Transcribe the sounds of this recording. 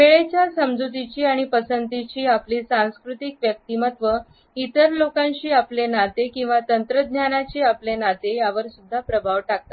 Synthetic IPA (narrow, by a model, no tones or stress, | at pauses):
ʋeɭet͡ɕjasəmd͡zut̪it͡ɕiːaɽ̃ipəsənt̪it͡ɕiːapliːsãñskɾut̪ikʋjək̚t̪imət̪ʋə | it̪əɾlokãɲt͡ɕiːaplenat̪ekĩw̃ʋat̪ənt̪ɾəd̪ʱnjanat͡ɕiːaplenat̪ejaʋəɾsud̪ʱːapɾəbʱaʋʈak̚t̪at̪